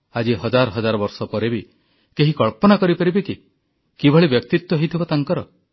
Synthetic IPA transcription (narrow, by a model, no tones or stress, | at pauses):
ad͡ʒiɦɔd͡ʒaɾɔɦɔd͡ʒaɾɔbɔɾsɔpɔɾebi | keɦikɔɭpɔnakɔɾipaɾibiki | kibʱɔɭibjɔk̚t̪it̪wɔɦejt̪ʰibɔt̪aŋkɔɾɔ